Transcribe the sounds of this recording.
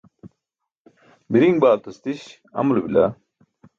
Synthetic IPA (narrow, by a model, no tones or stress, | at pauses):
biɾiŋɡbaːlt̪ust̪iɕ | ɐ̰mulubila̰